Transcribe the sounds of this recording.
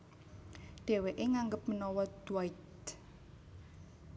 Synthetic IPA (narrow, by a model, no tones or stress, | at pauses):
ɖ̥e̤weʔeŋaŋɡəp̚mənɔwɔd̪̥wait̪